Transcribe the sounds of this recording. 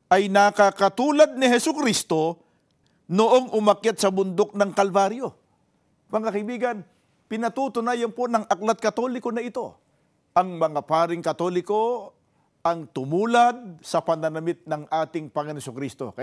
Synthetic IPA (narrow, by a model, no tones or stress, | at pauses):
ʔɐjnɐkakɐt̪uːlɐd̪̚nɪɦɛsʊkɾist̪o̞ | noʔo̞ŋʔʊmɐkjat̪̚sɐbʊnd̪o̞k̚nɐŋkɐlvaɾjo̞ | pɐŋakɐɪbiːɡɐn | pɪnɐt̪ut̪ʊnaːjɐnpo̞nɐŋʔɐklɐt̪̚kɐt̪o̞ːlɪko̞nɐʔɪt̪o̞ | ʔɐŋmɐŋapaːɾɪŋkɐt̪o̞lɪko̞ | ʔɐŋt̪ʊmuːlɐd̪̚sɐpɐnɐnɐmɪt̪̚nɐŋʔaːt̪ɪŋpɐŋɐnɛsʊkɾist̪o̞̰kɐ